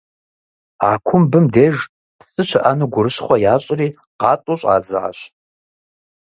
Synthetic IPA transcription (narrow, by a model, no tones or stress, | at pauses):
aːkʷʰʊmbɨmdeːʒ | psʼɨt͡ʃʷʰɐʔanɨɡʷʊɾɨɕχʷɔjaːɕʼriː | qɑːtʼuɕʼa̰ːd͡zɨʕa̰ɕ